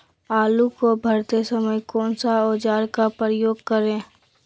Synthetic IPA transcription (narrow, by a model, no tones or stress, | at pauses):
aːlukobʱəɾt̪esəməjkɔːnsaoːd͡ʒaːɾkapəjoːɡkəɾẽː